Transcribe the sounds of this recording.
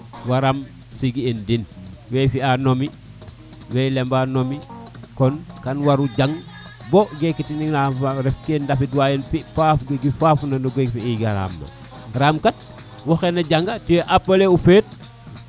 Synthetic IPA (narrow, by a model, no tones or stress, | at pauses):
waɾam | siɡiendinwejfianomi | wejlembanomikonkanwaɾuɟaŋ | boɡekitininafaɾefkendafidwajenpipafɡiɡifafnɐnuɡekfiiɡaɾa̰mlo̰ | ɾaːmkat̚ | woxenɐɟaŋɡatiweʔapɐleufeːt̚